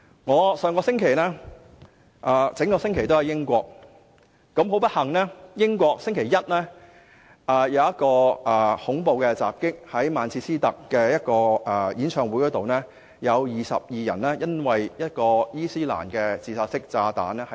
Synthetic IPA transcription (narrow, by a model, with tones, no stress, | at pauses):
ŋɔː˨˧sœː˧ŋkɔː˧sɪ˥ŋkʰe˨˩jnɛː˥ | ʔɐː˨˩t͡sɪ˨˥ŋkɔː˧sɪ˥ŋkʰe˨˩jt̪o˥whɐ˨˩jɪ˥ŋkʷɔː˧k̚ː | ɐ˨˥mɦo˨˥wp̬ɐ˥t̚hɐ˨˩ŋnɛː˥jɪ˥ŋkʷɔː˧k̚sɪ˥ŋkʰe˨˩jɐ˥t̚lɛː˥ | ʔɐː˨jɐ˨˧wjɐ˥t̚kɔː˧ʔɛː˨˩hʊ˨˥ŋpo˨˧wkɛ˧t͡sa̰ː˨p̚kɪ˥k̚hɐ˨˥jmaː˨˧nt͡sʰiː˧siː˥t̪ɐ˨kːɛː˧jɐ˥t̚kɔː˧ɛ˨˩jiː˨˥nt͡sʰœː˧ŋwuː˨˥jkɔː˥t̪o˨wnɛː˥ | jɐ˨˧wjiː˨˩sɐ̰˨p̚jiː˨jɐ˨˩nlɛː˥jɐ˥nwɐ˨jjɐ˥t̚kɔː˧jiː˥siː˥la̰ː˨˩nkɛː˧t͡siː˧saː˧t̚sɪ˥k̚t͡saː˧t̪a̰ː˨˥nɛ˥hɐ˨